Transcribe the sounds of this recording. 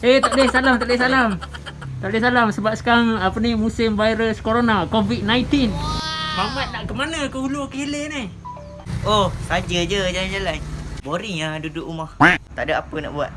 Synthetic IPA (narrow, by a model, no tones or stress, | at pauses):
et̪aʔdɛhsalamt̪aʔdɛhsalam | t̪aʔdɛsalamsəbap̚sə̥kaɾaŋapənimusɪmvajɾəskoɾonakovit̪̚najt̪ɪnmamat̪̚naʔkəmanakəulokəileni | ohsad͡ʒəd͡ʒəd͡ʒalad͡ʒalajboɾiŋadudʊʔumaht̪a̰ʔdəapəna̰ʔbua̰t̪̚